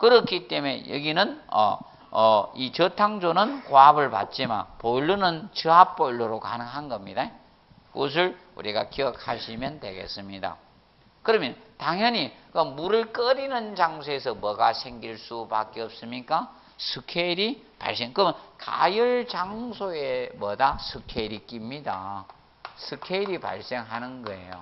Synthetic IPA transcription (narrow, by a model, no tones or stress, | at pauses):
kɯɾʌkʰit͈eme̞̰jʌ̰ɡinɯnʌ̰ | it͡ɕʌtʰaŋd͡ʑonɯnkoɦabɯɭpa̰t̚t͡ɕ͈ima̰npoɭːunɯnt͡ɕɯɦap͈oɭːoɾokanɯŋɦanɡʌmɲida | kos̬ʰɯɭṵɾiɡa̰kiʌk̚ʰhaɕʰimjʌndwe̞̰ɡḛs͈ɯmɲida̰ | kɯɾʌmjʌntaŋɦjʌɲikɯmuɾɯɭk͈ʌɾinɯnt͡ɕaŋsʰoesʰʌmʌɡasʰeŋɡiɭs͈upa̰k͈eʌp̚s͈ɯmɲik͈a | sʰɯkʰeiɾi | pa̰ɭs͈eŋkɯmnka̰jɯɭt͡ɕaŋsʰoemʌdasʰɯkʰeɾik͈imɲida̰ | sʰɯkʰeiɾipa̰ɭs͈e̞ŋɦanɯnɡʌḛjo̰